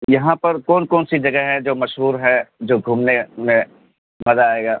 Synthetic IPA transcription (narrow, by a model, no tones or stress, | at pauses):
jɐɦãpɐɾkɔːnkɔːnsid͡ʒɐɡəɦɛd͡ʒoːmɐʃɦuːɾɦɛd͡ʒoːɡʱuːmnemẽ | mɐzaaːeːɡaː